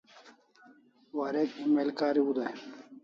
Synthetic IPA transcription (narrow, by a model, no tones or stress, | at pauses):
waːɾeːk̪imelkaːɾiud̪a